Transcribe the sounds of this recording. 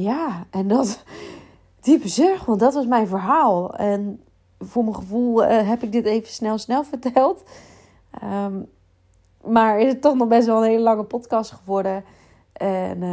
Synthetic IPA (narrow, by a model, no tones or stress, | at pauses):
jaʔɛndɔt | d̥ipəzøɹxʋɑntdɔtʋɑsmɛjnvəɹɦaːlˠɛn | vʊːɹməχəvulˠəɦɛpɪɡ̚dɪteːvəsnɛlˠsnɛlˠvəɹtɛlˠt | ʔə | maɹɪsətːɔχnɔχbɛstʋɛlˠənɦeːləlɑŋəpɔtkɑstχəʋɔɹdə | ʔɛn